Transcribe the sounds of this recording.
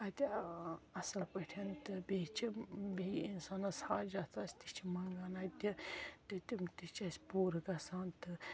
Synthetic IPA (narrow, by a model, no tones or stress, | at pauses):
ɐt̪ʲiɐsɐlpɐʈʰent̪ɨbet͡ʃʰibeinsaːnɐsaːd͡ʒat͡s̪ʰaːsʲt̪it͡ʃʰimɐŋɡanat̪ʲit̪ɨt̪imt̪it͡ʃɐsʲpoːɾɨkɐsaːnt̪ɨ